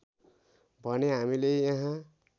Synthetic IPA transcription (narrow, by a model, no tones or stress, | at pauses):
bʱʌneɦamilejãɦã